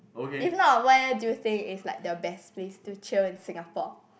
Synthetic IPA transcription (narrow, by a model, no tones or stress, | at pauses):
okeifnɔt̚wɔt̚adujuθɪ̃ŋɪslaɪk̚dəbɛsplestut͡ʃilɪ̃nsɪ̃ŋapɔ